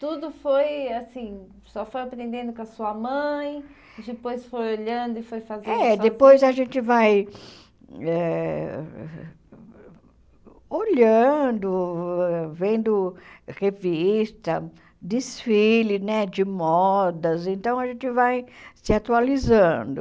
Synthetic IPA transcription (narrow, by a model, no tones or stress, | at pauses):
t̪ud̪ʊfojasĩ | sɔfojapɾẽnd̪ẽnd̪ʊkɐsuɐmɐ̃j̃ | d͡ʒɪpojsfojoʎɐ̃nd̪ʊɪfojfazẽɛɛd̪epojzaʒẽnt͡ʃ̪ɪvaj | ɛ | oʎɐ̃d̪ʊ | vẽnd̪ʊhevist̪ɐ | d̪ɪsfilʊnɛd͡ʒɪmɔd̪ɐzẽnt̪ɐ̃w̃ɐʒẽnt͡ʃ̪ɪvajsɪat̪ualizɐ̃d̪ʊ